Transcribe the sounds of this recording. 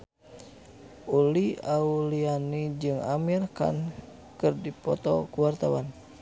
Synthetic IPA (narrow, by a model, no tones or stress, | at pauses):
ʔuliaulianid͡ʒɨŋamirka̰n | kɨrdipɔ̰t̪ɔkuwart̪awan